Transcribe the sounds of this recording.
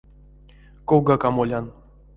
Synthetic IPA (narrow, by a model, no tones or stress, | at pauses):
kowɡakamolʲan